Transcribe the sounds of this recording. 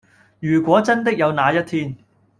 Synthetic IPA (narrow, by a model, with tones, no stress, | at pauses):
jyː˨˩kʷɔː˨˥t͡sɐ˥nt̪̬ɪ˥k̚jɐ˨˧wnaː˨˧jɐ˥t̚t̪ʰiː˥n